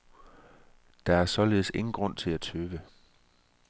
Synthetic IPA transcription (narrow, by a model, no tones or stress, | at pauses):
d̥ɑ̈æɐsɒ̽le̝ːð̩ˠse̝ŋn̩ɡ̥ʁɔ̽n̰t͡sʰe̝læt͡sʰøːʋə